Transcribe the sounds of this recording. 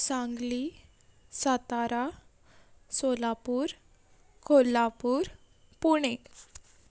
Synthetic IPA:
sãŋɡli | sat̪aɾa | solapuːɾ | kʰolapuːɾ | puɽ̃e

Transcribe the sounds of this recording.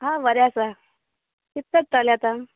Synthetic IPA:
ɦãʋəɾjasa | kit̪ːət͡st̪aljat̪a

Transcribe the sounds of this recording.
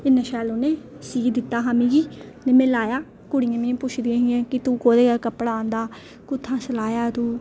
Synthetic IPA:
ɪnãːʃɛːloːneː | siːkd̪ɪt̪ːaːɦaːmĩːɡiːnemẽːlaːjaː | kʊɽɪjãːmĩːpʊt͡ʃʰd̪ɪãːɦɪãːkɪt̪ũːkoːɾeːɡakəpːɽãːnd̪aː | kʊt̪ʰːãːsəlaːjaːt̪uː

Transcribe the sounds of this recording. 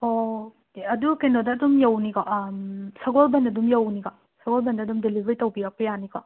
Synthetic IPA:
o | eɐdukenodɐːdumjɐwnikaʔmsɐɡolbɐnɐdumjɐwniɡa | sɐɡolbɐndɐːdumdelibʱɐɾitɐwbijak̚pɐjanika̰

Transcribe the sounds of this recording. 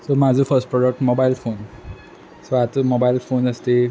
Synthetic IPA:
somad͡zufəɾsʈpɾɔɖək̚ʈmobaɪlfoːn | soat̪mobailfoːnəst̪e

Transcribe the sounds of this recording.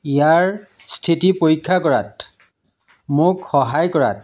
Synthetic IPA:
ijaɹ | stʰitipoɹikʰːakɔɹa̰t | mʊkxɔɦajkɔɹa̰t̚

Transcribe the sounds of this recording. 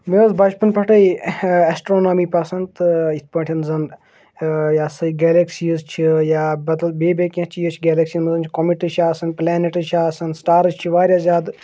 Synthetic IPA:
meɐzbʱɐd͡ʒpɐnpʰɐʈɐiesʈɾoːnoːmiːpɐsɐnt̪it̪ʰpɐːʈʲʰinzɐn | jaːsɐiɡɛːleksiːzt͡ʃʰijaːbɐd̪ɐlbeːbeːkʲɐ̃t͡ʃʰijət͡ʃʰiɡeːlɐksinmɐzɐnt͡ʃʰi̥komiʈɨt͡ʃʰaːsɐnplɛːneʈɨt͡ʃʰaːsɐnsʈaːɾɐd͡ʒt͡ʃʰiʋaːɾʲjaːzʲjaːd̪

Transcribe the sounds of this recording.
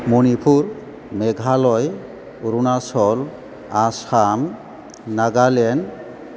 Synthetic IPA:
monipʰuɹ | mɛɡʱalɔj | uɾunasɔl | asamː | aɡalɛn

